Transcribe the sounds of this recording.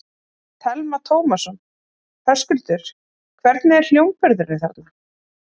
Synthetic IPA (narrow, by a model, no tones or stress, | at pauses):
t̪ʰɛlmat̪ʰowmasʏm | θɛskʏlt̪ʏɾ̥ | kʰvɛɾt̪nɪɛɾ̥l̥jowŋpœɾðʏɾnɪθaɾt̪na